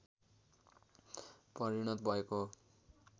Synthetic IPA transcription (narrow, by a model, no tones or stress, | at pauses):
pʌɾiɽ̃ʌt̪bʱʌeko